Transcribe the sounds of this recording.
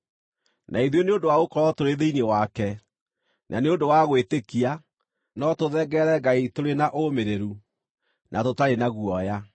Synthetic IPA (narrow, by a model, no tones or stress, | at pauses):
nʔaiðweneondowaɣokɔɾɔtoɾeðeinewakɛ | nʔa̰neondowaɣwetekia | nɔtoðɛɡɛɾɛɡaitoɾenaʔomeɾeɾu | nʔatotaɾenaɣuɔja